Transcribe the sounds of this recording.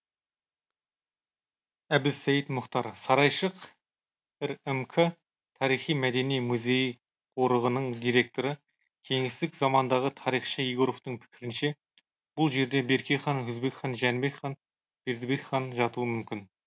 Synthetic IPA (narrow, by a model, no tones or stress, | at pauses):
æb̪ɪsæjɪt̪mʊχt̪ɑɾsɑɾɑjʃəq | ɪɾemkʰə | t̪ʰɑɾijχijmæd̪e̞nijmuzʲe̞j | qʰoɾəʁənəɴd̪ijɾe̞k̚t̪o̞ɾə | kʲʰe̞ŋɪst̪ɪkzɑmɑnd̪ɑʁət̪ʰɑɾijχʃəijɡoɾoft̪əɴpʰɪ̥kʲɪɾɪnʃe | b̥ʊlˠʒe̞ɾd̪e̞be̞ɾkʲejχɑnɵzbe̞kχɑnʒænbe̞kχɑn | b̥eɾd̪ɪbekχɑnʒɑt̪uwəmʏmkʲɪn